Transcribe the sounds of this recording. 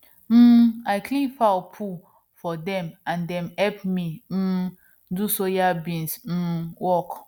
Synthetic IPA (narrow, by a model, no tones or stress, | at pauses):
m̩ːaɪkʰlĩnfapʰu | fɔdɛ̃mãndɛ̃mhɛpmĩm̩ | dusojabĩnsm̩wɔk